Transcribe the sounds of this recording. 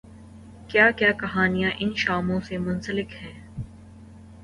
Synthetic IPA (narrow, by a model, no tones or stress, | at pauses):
kjaːkjaːkɐɦaːnijãʔɪnʃaːmõsemʊ̃nsəlɪkhɛ̃ː